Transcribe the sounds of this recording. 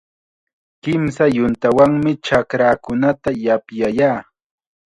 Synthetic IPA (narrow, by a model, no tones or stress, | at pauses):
kɪmsajʊnt̪awaŋmɪt͡ʃakɾaːkʊnat̪ajapjajaː